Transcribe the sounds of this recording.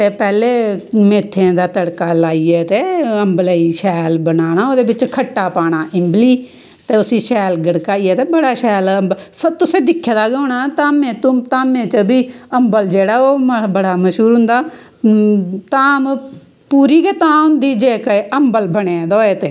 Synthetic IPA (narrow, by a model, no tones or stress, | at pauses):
t̪eːpɛːleːmeːt̪ʰːẽd̪aːt̪əɽkaːlaːiːɛːt̪eːəmbələiʃɛːlbənaːñaːoːd̪eːbɪt͡ʃkʰəʈːaːpaːɽ̃aːʔɪmbliː | t̪eːʊsiːʃɛːlɡəɽkaːiːɛːt̪eːbəɽaːʃɛːləmbsət̪ʊsẽːd̪ɪkʰːjaːd̪aːɡaːɽ̃aːt̪aːmẽːt̪ʊt̪aːmẽːt͡ʃəbʱiːəmbəld͡ʒeːɽaːoːbəɽaːməʃɦuːɾɦʊnd̪aː | t̪aːm | puːɾiːket̪ãːʊ̃nd̪iːd͡ʒeːkəmbəlbəɽ̃ed̪oːeːt̪eː